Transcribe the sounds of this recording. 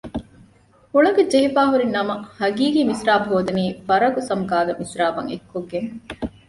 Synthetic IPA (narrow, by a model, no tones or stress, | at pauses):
huɭɐɡed͡ʒeɦifaːɦuɾinːɐmɐhɐɡiːɡiːmisɾaːbɐɦoːd̪ɐniːfɐɾɐɡusɐmɡaːɡ̪ɐmisɾaːbɐŋḛkːoɡːeŋ